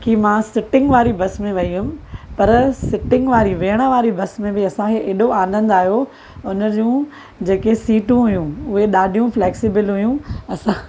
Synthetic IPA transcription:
kimãːsɪʈɪ̃ŋɡʋaːɾibɐsmẽʋɐiɦʊm̆pɐɾsɪʈɪ̃ŋɡʋaːɾiʋeːɽ̃əʋaːɾibɐsmẽbɪɐsãkʰeʔeːɗoãːnd̪ə̃nɪ̆d̪aːɦijo | ʊnəd͡ʑũː | d͡ʑeːkesiːʈũɦʊjũʊɦeɗaːɖʱijũfleːksɪbɪlɦʊjũɐsã

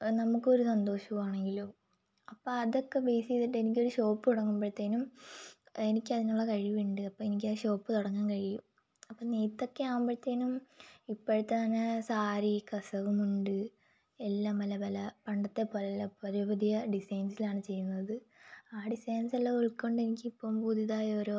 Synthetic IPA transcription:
nɐmukːo̞ɾusɐnd̪o̞ːʂɐʋumaːɳe̞ŋɡilu | ɐpːoːɐðokːe̞beːsiðiʈːenik̬ʲːo̞ɾuɕo̞ːpːɨt̪uɽɐŋːumbɐɻt̪ːeːnum | e̞nikʲːɐðinuɭːɐkɐɻiʋiːɳɖɨɐpːoːe̞nik̬ʲːɐɕo̞ːpːɨt̪uɽɐŋːaːnkɐɻijum | ɐpːoːniːt̪ːo̞kːeaːʋumbɐɻt̪ːeːnumipːoɻut̪ːet̪ɐnːɐsaːɾikɐsɐʋumuɳɖɨ | elːaːmɐlɐbɐlɐpɐɳɖɐt̪ːe̞pɐllɐpɐɾibɐd̪ijɐɖisɐjnsilaːɳɨt͡ɕe̞jːunːɐðɨ | aːɖisɐːnsɐlːɐuɭkːoɳɖɨe̞nikʲːipːoːmbud̪ʱiðaːjɐoːɾo

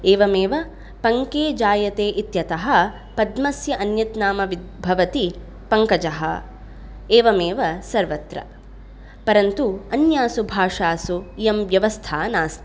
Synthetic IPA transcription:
eːʋɐmeːʋɐ | pɐŋkeːd͡ʒaːjɐt̪eːʔit̪jɐt̪ɐɦɐ̆ | pɐd̪mɐsjɐʔɐnjɐt̪naːmɐʋid̪bʱɐʋɐt̪i | pɐŋkɐd͡ʒɐɦɐ̰ | eːʋɐmeːʋɐsɐɾʋɐt̪ɾɐ̰ | pɐɾɐnt̪uɐnjaːsubʱaːʂaːsujɐmʋjɐʋɐst̪ʰaːnaːst̪i̥

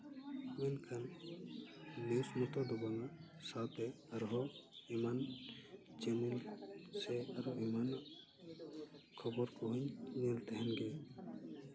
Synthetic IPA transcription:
mɛnkʰan | iwsmɔt̪ɔd̪ɔbaŋa | sawt̪ɛ | aɾɦɔiman | t͡ʃɛnɛlsɛaɾɔiman | kʰɔbɔɾkɔɦuɲnilt̪ɛɦɛnɡɛ

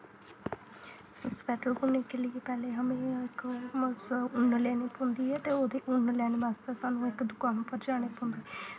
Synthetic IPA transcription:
ɪspɛːʈəlkʊɳneːkelɪepɛːleːɦəmẽːɪkmsʊɳlɛːneːpʊ̃ːnd̪iːɛːt̪eːoːd̪iːʔʊɳlɛːnːʋaːst̪aːsaːnũːɪkd̪ʊkaːnpəɾd͡ʒaːɽ̃eːpʊ̃ːnd̪eː

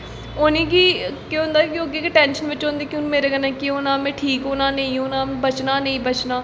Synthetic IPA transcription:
onẽːkiːkeõnd̪aːkioɡekeʈɛ̃ːnʃənʋɪt͡ʃɦõːnd̪eːkjõːmeːɾeːɡənɛ̃ːkionãːmɛ̃ːʈʰiːkʊnãːnəĩːonãːbət͡ʃnaːnəĩːbət͡ʃnaː

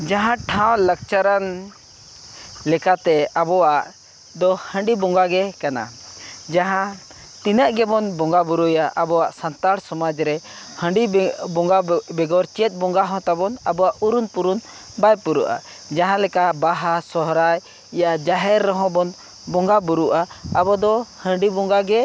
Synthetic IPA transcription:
d͡ʒaɦãʈʰãw̃lək̚t͡ʃaɾan | lɛkat̪ɛabɔwaʔ | d̪ɔhə̃ɳɖibɔŋɡaɡɛkana̰d͡ʒaɦã | t̪inəʔɡɛbɔnbɔŋɡabuɾujaʔabɔwaʔsant̪aɽsɔmad͡ʒɾɛ | hə̃ɳɖibɔŋɡabɛɡɔɾt͡ʃɛt̪̚bɔŋɡaɦɔ̃t̪abɔnabɔaʔuɾunpuɾun | bajpuɾuʔa̰ | d͡ʒaɦãlɛkabaɦasɔɦɾaj | ijad͡ʒaɦɛɾːəɦɔ̃bɔn | bɔ̃ŋɡabuɾuʔaːbɔd̪ɔhə̃ɳɖibɔ̃ŋɡaɡɛ

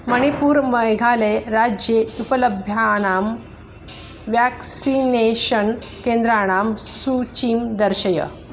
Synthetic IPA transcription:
məɽ̃ipuːɾməjɡʱaleɾad͡ʑjeupələbʱjaɽ̃am | ʋjæksineɕənkend̪ɾaɽ̃amsut͡ɕiːmd̪əɾɕəjə̰

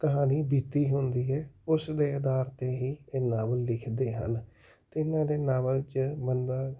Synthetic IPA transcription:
kəɦaːniːbiːt̪ːiːɦʊnd̪iːɛːʊsd̪eːəd̪aːɾt̪eːɦiːeːnaːʋəllɪkʰd̪eːɦə̰n | t̪eɪnãːd̪eːnaːʋəlt͡ʃbənd̪aː

